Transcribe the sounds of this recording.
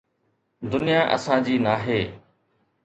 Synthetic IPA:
d̪ʊnɪjaːʔə̰sãːd͡ʑiːnaːɦeː

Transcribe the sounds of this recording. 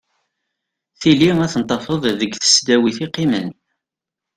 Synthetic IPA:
θiliæθənt̪ˤːɑfəðˤðəɡθə̥sd̪æwiθiqːimən

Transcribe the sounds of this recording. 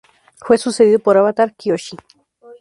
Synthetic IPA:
hwesuseðiðopoɾaβat̪aɾkioɕi

